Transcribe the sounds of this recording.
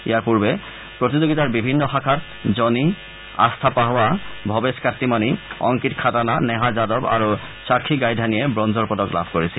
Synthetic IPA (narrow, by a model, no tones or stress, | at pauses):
ḭjaɹpuɹbɛ | pɹot̪izoɡitaɹbibʱinːɔxakʰat | zɔni | a̰st̪ʰapaɦɔabʱɔbeskatːimaniɔ̰ŋkitkʰatananɛɦazadɔba̰ɹu | sakʰːiɡajdʱanijɛbɹɔnzɔɹpɔdɔkla̰bʱkoɹisɛ